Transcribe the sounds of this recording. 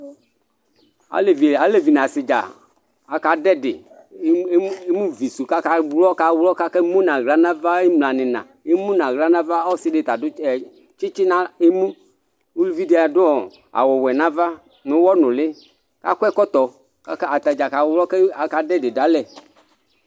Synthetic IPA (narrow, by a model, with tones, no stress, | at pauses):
a̰˨le˨vi˨a˨˦le˨vi˨n˨ã˨sɪ˨d͡ʒa̰˨ | a˨ka˨dɛ˦dɪ̰˨˦ | e˦mũ˦vi˨su˨ka˦ka˨ɡ͡blɔ˦ka˨wlɔ˦ka˦kɛ˦mũ˦nã˨ɣla˦nã˦va˦e˦mlã˨nɪ̃˨nã̰˨ | e˦mũ˦nã˨ɣla˦nã˦va˦ɔ˦sɪ˦ɖe˨t̪a˨dʊ˦ɛ˨ | t͡ʃɪ˦t͡ʃɪ˦nã˦e˦mũ˦ | u˦lu˦vi˦de˨˦a˨dʊ˦ɔ˨ | a̰˨wɔ˨wɛ˨nã˦va˦ | nʊ̃˨wɔ˦nʊ̃˨lɪ˦ | ka̰˦kʷɛ˦kɔ˦t̪ɔ˨ | ka˦ka˨t̪a˨d͡ʒa˨ka˨wlɔ˦kɛ˦a˨ka˨dɛ˦dɪ˨da˨˦lɛ˨